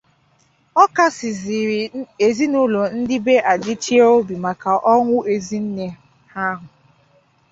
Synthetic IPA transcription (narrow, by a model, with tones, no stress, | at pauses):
ɔ˦ka˦sɪ˨zi˨ɾi˨e˨zi˦nʊ˦lo˨n̩˦dɪ˦be˦ʔa˨dɪ˦t͡ʃi˦o˦bi˨ma˨ka˨ʔɔ˦ŋʷʊ˦e˨zi˦n̩˦ne˦ | ha˦ɦʊ˨